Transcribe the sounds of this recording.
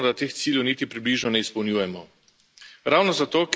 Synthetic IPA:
ɔd̪at̪eːxt̪siːljɛwniːt̪ipɾibliːʒnɔnɛispɔwnjuːjɛmɔ | ɾawnɔzat̪oːk

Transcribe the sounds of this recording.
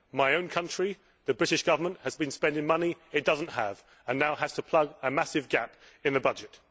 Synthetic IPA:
maɪə̃ʊ̃nkʰʌ̃nt͡ʃɹ̥i | ðəbɹɪɾɪʃɡ̥ʌvəmə̃nʔhəzbĩnspɛ̃ndɪ̃ŋmʌniɪt̚d̥ʌzə̃n̩ʔhə̰v̥ | ə̃nːaʊhəz̥tʰəpʰl̥ʌɡəmasɪvɡa̰p | ɪ̃nðəbʌd͡ʒɪt

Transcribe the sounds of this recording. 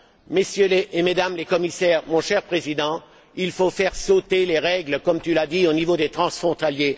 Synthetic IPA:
mesjøleʔemed̪amlekɔmisɛʁmɔ̃ʃɛʁpχezid̪ɑ̃ | ilfofɛʁsot̪eleʁɛɡləkɔmt̪ylad̪ionivod̪et̪χɑ̃sfχɔ̃t̪alje

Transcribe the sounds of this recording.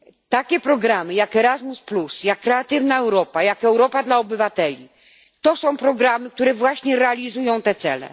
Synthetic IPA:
t̪akʲɛpɾɔɡɾamɘjakɛɾazmusplusjakːɾɛat̪ɘvnaɛwɾɔpajakɛwɾɔpad̪laɔbɘvat̪ɛlʲi | t̪ɔsɔ̃w̃pɾɔɡɾamɘk̚t̪uɾɛvwaɕɲɛɾɛalʲizujɔ̃w̃t̪ɛt̪sɛlɛ̰

